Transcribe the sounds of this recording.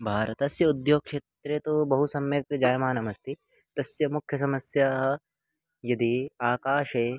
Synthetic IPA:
bʱaːɾɐt̪ɐsjɐud̪joːk̚kʃeːt̪ɾet̪obɐɦusɐmjɐkd͡ʒaːjmaːnɐmɐst̪ʰi | t̪ɐsjɐmukʰjɐs̬ɐmɐsjaːɦɐ̆ | jɐd̪iaːkaːʃeː

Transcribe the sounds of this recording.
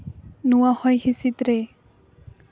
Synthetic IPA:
nuwahɔjhisit̪ɾe

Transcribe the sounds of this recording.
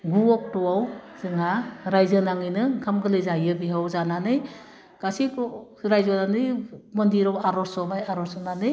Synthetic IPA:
ɡuɔk̚tɔwawzɯŋaɾajzɯnaŋɯjnɯkʰamɡɯlɯjzajɯbiɦawzananɯj | ɡ̥asik | ɾajzɔnanɯjmɔndiɾawaɾɔsɔmajaɾɔsɔnanɯj

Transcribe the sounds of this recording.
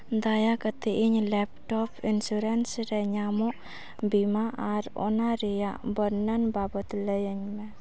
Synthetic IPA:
d̪ajakət̪iʔiɲlɛp̚tɔpinsuɾɛnsɾɛɲamɔʔ | bimaʔaɾɔ̰naɾijaʔbəɾnənbabət̪ləjəɲmɛ

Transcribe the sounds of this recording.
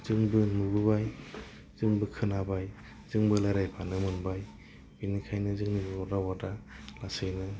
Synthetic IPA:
z̥ɯŋbɯnubɯbaj | z̥ɯŋbɯkʰɯnabaj | z̥ɯŋbɯlajɾajpʰanɯmɯnbaj | binikʰajnɯzɯŋnibɯatawadalasɯjnɯ

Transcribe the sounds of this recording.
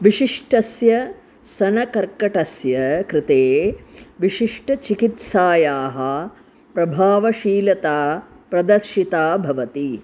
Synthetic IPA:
ʋiʃiʂʈɐsjɐ | sɐnɐkɐɾkɐʈɐsjɐkɾɪt̪eːʋiʃiʂʈɐt͡ʃikit̪saːjaːɦɐ̆ | pɾɐbʱaːʋɐʃiːlɐt̪aː | pɾɐd̪ɐɾʃit̪aːbʱɐʋɐt̪i

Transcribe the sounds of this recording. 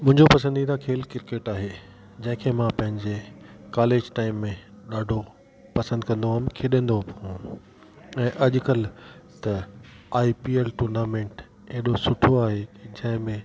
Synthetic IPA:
mʊ̃ɦɪ̃ɲd͡ʑopɐsə̃nd̪id̪ãkʰeːlkɪɾkeːʈaːɦe | d͡ʑɐ̃ɦɪ̃kʰeːmãpɐ̃ɦɪ̃ɲd͡ʑekaːleːd͡ʑʈaːɪmːẽ | ɗaːɖʱo | pɐsə̃nd̪̚kɐ̃nd̪oɦaːmkʰeːɗẽːnd̪opũː | ɛ̃ːʔɐʄʊkɐlt̪ɐaːipiːelʈuːɾnaːmẽːɳʈ | eɗosʊʈʰoaːɦed͡ʑɐ̃ɦɪ̃mẽ

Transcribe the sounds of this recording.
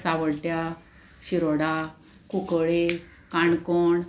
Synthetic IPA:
saʋəɽʈ̪ja | ɕiɾoɽa | kukɭe | kaɳkoɳ

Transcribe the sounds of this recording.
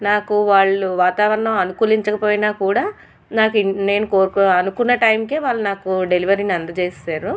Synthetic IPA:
naːkuʋaːɭːuʋaːt̪aːʋɐɾɐɳɐmɐnukuːliɲt͡ʃɐkɐpoːjnaːkuːɽaː | naːkune̞ːnukoːɾkɐnukunːɐʈɐjmike̞ːʋaːɭːunaːkuɖe̞liʋɐɾinɐnd̪ɐt͡ʃe̞ːsaːɾu

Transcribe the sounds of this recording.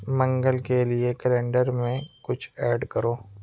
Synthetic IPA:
mɐ̃ŋɡəlkeliekəlẽːɳɖəɾmẽkʊt͡ʃʰɛːɖkəɾoː

